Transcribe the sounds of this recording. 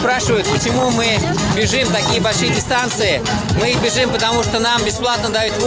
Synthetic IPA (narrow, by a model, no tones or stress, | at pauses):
pɾaʂɨvəjʊt̪̚pət͡ɕɪmumɨ | bʲɪʐɨmt̪ɐkʲijəbɐlʲʂɨjədʲɪst̪ant̪sɨjɪmɨbʲɪʐɨmpət̪ɐmuʂt̪onambʲɪsplˠat̪nəd̪ɐjut̪v